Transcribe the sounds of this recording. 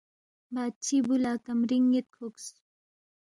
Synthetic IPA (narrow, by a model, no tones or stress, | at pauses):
baːd̪̚t͡ɕʰibulaːkɐmɾiŋet̪̚kʰuks